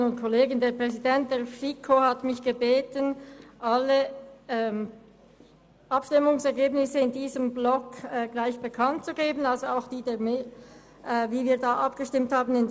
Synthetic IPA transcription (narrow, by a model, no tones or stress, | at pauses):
nʊntkʰoleːɡən̩deːɐpʁ̥ɛzidɛnt̚d̥eːɐfikʰohatmɪçɡ̥əbeːtənʔaləɛ | ʔɑpʃtɪmʊŋsɛɐɡeːbnɪsəɪndiːzəmblɔkɛːɡlaɪçb̥əkʰant̚t͡suɡeːbənalzoaʊxd̥iːdeːɐme | ʔviːviːɐdaːʔɑpɡ̥əʃtɪmthaːbən̩ɪnd